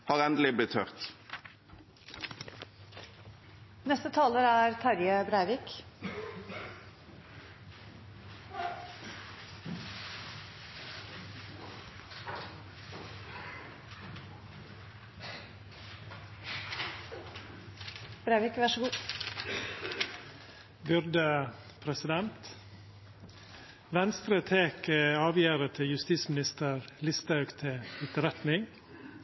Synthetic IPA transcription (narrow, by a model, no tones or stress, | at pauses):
hɑːʁɛnd̪əlɪblɪt̪ʰœʁt̪ | nɛst̪ət̪ʰɑːləɾæːɾt̪ʰɑɾjəbɾæɪʋɪk | bɾeːʋɪkʋɑʃəɡuː | bʉɾd̪ə | pʰɾɛsɪd̪ɛnt̪ | ʋɛnst̪ɾət̪ʰeːkəɑːʋjæːɾət̪ʰɪjʉst̪iːsmɪnɪst̪əɾlɪst̪ɑʉkt̪ʰɪɪt̪əɾɛt̪nɪŋ